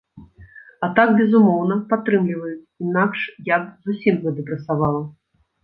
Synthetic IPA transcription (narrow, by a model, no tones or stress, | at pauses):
at̪akbʲɛzumɔwnɐpat̪ːɾɨmlʲivɐjut͡sʲinakʂjabzusʲimɣɛd̪ɨpɾɐsavalˠɐ